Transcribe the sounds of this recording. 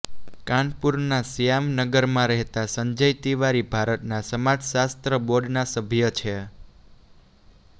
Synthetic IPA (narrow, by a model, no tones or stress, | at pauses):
kãnpuɾnasijamnəɡəɾmãɾɛɦt̪asəɲd͡ʒəjt̪iʋaɾibʱaɾət̪nasəmad͡ʒʱsast̪ɾəboɖnasəbʱjət͡ʃʰe